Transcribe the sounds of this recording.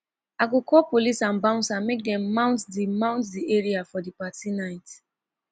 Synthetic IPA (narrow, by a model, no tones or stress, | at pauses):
aɡokʰɔpolisãnbãʊ̃nsãnmek̚dɛ̃mːãʊ̃ntdimãʊ̃ntdiɛɹiafɔdipatinaɪt